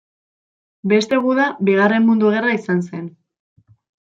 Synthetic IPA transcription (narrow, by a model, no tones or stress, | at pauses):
be̞st̪e̞ɣuðabiɣ̞are̞mmund̪uɣ̞e̞raisanse̞n